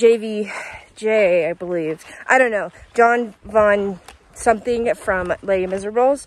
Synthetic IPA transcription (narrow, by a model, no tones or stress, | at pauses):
d͡ʒeɪvi̥d͡ʒeaɪbəliv̥ʔaɪɾõʊ̃nːoʊ̥d͡ʒɑ̃nvɑ̃n | sʌ̃mθɪ̃ŋfɹʌ̃mleɪɾimɪzə˞blˠz̥